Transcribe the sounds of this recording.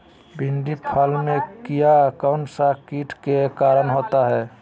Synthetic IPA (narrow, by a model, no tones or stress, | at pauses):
bʱɪɳɖipʰalmẽkijakaʊnsakiːʈʰkekaːɾənɦoːt̪aɦɛː